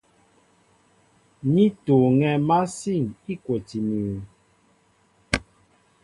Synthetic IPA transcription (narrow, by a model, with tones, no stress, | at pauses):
ni˦to˨ŋɛ˦ma˦si˦˨ŋi˦kwɛ˨ti˨mi˨